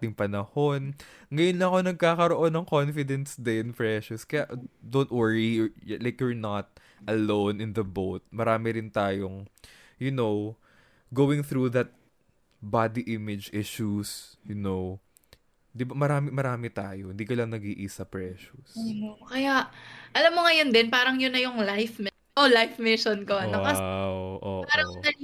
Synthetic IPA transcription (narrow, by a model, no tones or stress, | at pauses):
t̪ɪŋpɐnɐho̞nŋɐjonlɐŋɐko̞nɐɡ̚kaːkɐɾoʔo̞nɐŋko̞nfɪd̪ɛnsd̪ɪnpɹɛʃʊskɐjaʔd̪ownt̪̚wɛɹilajkjuɹnɐt̪̚ | ʔɐlõwnɪnðɐbowt̪̚mɐɾaːmɪɾɪnt̪aːjoŋ | jʊnow | ɡowɪŋθɾuðɐt̪̚ | bad̪iʔɪmɪd͡ʒɪʃusjʊnow | d̪ɪbɐmɐɾaːmɪmɐɾaːmɪt̪aːjohɪnd̪iːkɐlɐŋnɐɡiːʔisɐpɹɛʃusookɐjaʔʔɐlɐmːoŋɐjond̪ɛnpaːɾɐŋjʊnːɐjʊŋlajfmɪ | ʔolajfmɪʃonkonɐkɐwʔoːʔaɾɐɐ